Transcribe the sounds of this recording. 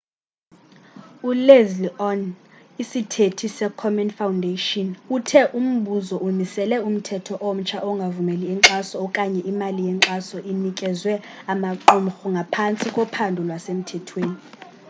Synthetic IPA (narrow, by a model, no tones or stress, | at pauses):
ulezliɔnisitʰetʰisɛkʰɔmɛnfawundʱeʃɔnutʰɛʔum̩ɓʱuzɔʔumisɛlɛum̩tʰɛtʰɔʔɔm̩t͡ʃʰaʔɔŋɡʱavumɛliɛŋǁasɔkʼaɲɛʔimalijɛǁasɔʔinikʼɛzwɛ | amaǁum̩xɔŋɡʱapʰant͡sʼikʼɔpʰandʱulwasem̩tʰɛtʰweːni